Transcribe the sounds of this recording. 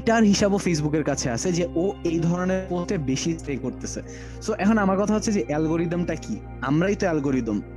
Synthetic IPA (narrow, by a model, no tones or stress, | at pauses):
ʈaɾɦiʃabofejs̬bukeɾkat͡ɕʰeat͡ɕʰed͡ʑeʔoejd̪ʱɔɾoneɾkot̪ebeʃisʈekoɾt̪et͡ɕʰe | soʔɛkʰonamaɾkɔt̪ʰaɦotːɕʰed͡ʑeʔɛlɡoɾid̪omʈaki | a̰mɾajt̪oɛlɡoɾid̪om